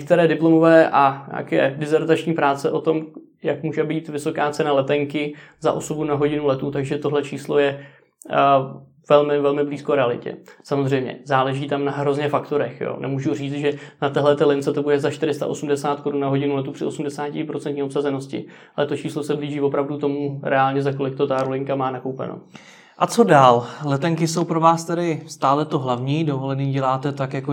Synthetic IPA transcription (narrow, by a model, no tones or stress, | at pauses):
ɛk̚t̪ɛɾɛːdɪplo̞mo̞vɛːʔaɲa̰ːkɛ̰ːdɪzɛɾt̪at͡ʃɲiːpɾaːt͡sɛʔo̞t̪o̞m | jakmuːʒɛbiːt̪vɪso̞kaːt͡sɛnalɛt̪ɛŋkɪza̰ʔo̞so̞bunaɦo̞ɟɪnulɛt̪ut̪aɡʒɛt̪o̞ɦlɛt͡ʃiːslo̞jɛ | vɛlmɪvɛlmɪbliːskoɾɛalɪ̰cɛ̰samozrɛjmɲɛ̰zaːlɛʒiːt̪amnaɦɾo̞zɲɛfakt̪o̞ɾɛxjo̰ːnʔɛ̰muːʒur̝iːt͡st̪ʒɛnat̪ɛɦlɛt̪ɛːlɪnt͡sɛt̪o̞budɛzaʃt̪ɪɾɪst̪a̰ʔosumdɛsaːt̪ko̞ɾunnaɦo̞ɟɪnulɛt̪upr̥ɪʔo̞sumdɛsaːcɪpɾot͡sɛnt̪ɲiːo̞psazɛnoscɪ̰ | alɛt̪o̞t͡ʃiːslo̞sɛbliːʒiːvo̞pɾavdut̪o̞muɾɛaːlɲɛzako̞lɪk̚t̪o̞t̪aɾolɪŋkamaːnakowpɛ̰no̰ | ʔat͡so̞daːllɛt̪ɛŋkɪso̞wpɾovaːst̪ɛdɪst̪aːlɛt̪oɦlavɲiːdovolɛniːɟɛlaːt̪ɛt̪akjako